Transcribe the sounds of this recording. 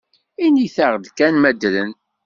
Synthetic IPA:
iniθaʁd̪kænmæd̪lən

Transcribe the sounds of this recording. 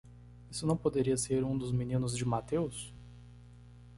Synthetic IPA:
isʊnɐ̃w̃pod̪eɾiɐseɾũd̪ʊzminĩnʊzd͡ʒɪmat̪ews

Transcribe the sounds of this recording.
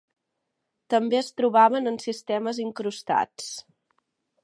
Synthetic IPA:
t̪əmbeəst̪ɾuβaβənənsist̪ɛməziŋkɾust̪a̰t͡s

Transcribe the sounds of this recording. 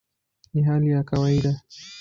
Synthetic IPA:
niɦalijakawaiɗa

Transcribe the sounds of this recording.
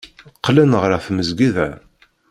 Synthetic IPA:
qːlænʁɾæθməzɡiðæ

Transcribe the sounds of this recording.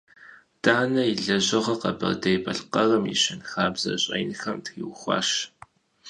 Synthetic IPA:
d̥ʼaːnɐiɮɐʑɐʁɐqɐbɐ̰rdɐjbɐɬqɐrɐmjḭɕɪnxaːbz̥ɐ̰ɕʼɐ̰jnxɐmtxiwxʷɑ̰ːʃ

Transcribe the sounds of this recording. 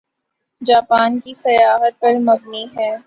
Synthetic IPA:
d͡ʒaːpaːnkisɐjaːɦət̪̚pɐɾmɐbniɦɛ̃ː

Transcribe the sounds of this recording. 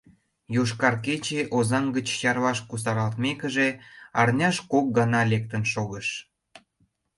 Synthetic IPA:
joʃkɑrk̬et͡ɕeʔozɑŋɡət͡ɕjɑrβɑʃkus̬ɑɾɑlt̪mekəʒeɑrnʲɑʃkok̚ɡɑnɑlek̚t̪ənʃoɣəʃ

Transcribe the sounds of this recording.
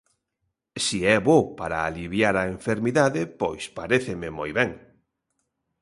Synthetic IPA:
siɛβopaɾaːliβjaɾaeɱfeɾmiðaðɪpo̰jspaɾeθɪmɪmojβɛŋ

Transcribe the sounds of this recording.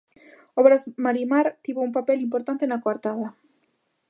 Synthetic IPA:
ɔβɾazmaɾimaɾt̪iβoumpapɛlimpoɾt̪ant̪enakwaɾt̪aðɐ

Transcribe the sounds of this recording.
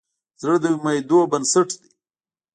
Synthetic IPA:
zəd̪əmajd̪obənsəʈd̪i

